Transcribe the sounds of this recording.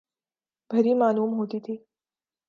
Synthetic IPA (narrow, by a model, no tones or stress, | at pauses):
b̥ʱəɾiːmaluːmɦot̪iːt̪ʰiː